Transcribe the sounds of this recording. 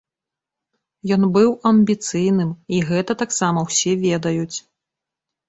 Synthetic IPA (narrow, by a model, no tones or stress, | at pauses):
jɔnbɨwɐmʲbʲit̪sɨjnɨmiɣɛt̪ɐt̪aksamɐwsʲɛvʲɛd̪ɐjut͡sʲ